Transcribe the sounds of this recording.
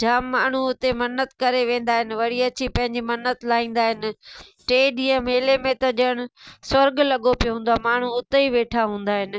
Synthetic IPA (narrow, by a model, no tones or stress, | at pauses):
d͡ʑʱaːmːaːɳ̤uʊt̪emɐnət̪kɐɾeʋẽːn̆d̪aːɦɪnɪ̆ʋɐɽiɐt͡ɕipɐ̃ɦɪ̃ɲd͡ʑimɐnət̪laːĩːn̆d̪aːɦɪnɪ̆ʈeːɗiːə̃meːlemẽt̪ɐʄəɽ̃ʊ̆sɐɾɡlɐɠopijoɦũːnd̪aːmaːɳ̤uʊt̪eiʋeːʈʰaɦũːn̆d̪aːɦɪnɪ̆